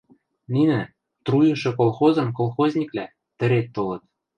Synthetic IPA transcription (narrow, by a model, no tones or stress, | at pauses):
ninɘ̆ | t̪rujɤ̆ʃɤ̆kolˠxozɤ̆mkolˠxozʲnʲiklæ | t̪ɘ̆ɾet̪ːolɤ̆t̪̚